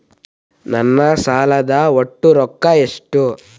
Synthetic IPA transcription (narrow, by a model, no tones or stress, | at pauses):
nɐnːɐsaːlɐd̪ɐoʈːuɾɔkːɐeʂʈu